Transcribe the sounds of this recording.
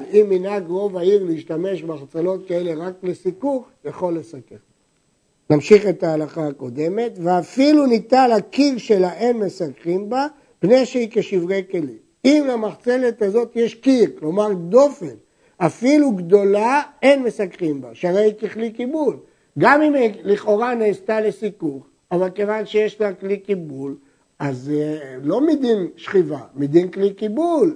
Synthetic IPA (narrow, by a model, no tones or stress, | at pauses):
imːinaɡʁo̞vaiʁliiʃt̪ame̞ʃbeaχt͡selo̞t̪̚kae̞le̞ʁaklesikuχjaχo̞lːe̞sakeʁ | namʃiχe̞t̪aːlaχaːko̞d̪e̞me̞t̪veafilunit̪alakiʁʃelaʔenme̞sakʁimba | pne̞jʃeikeʃivʁeke̞lim | imlamaχt͡se̞le̞t̪azo̞t̪jeʃkiʁklo̞maʁd̪o̞fen | afiluɡd̪o̞lae̞nmesakʁimbaʃaʁejikeklikibul | ɡamimeliχo̞ʁaneːst̪alesikuχ | avalke̞vanʃejeʃlaklikibul | azlo̞mid̪inʃχivamid̪inklikibul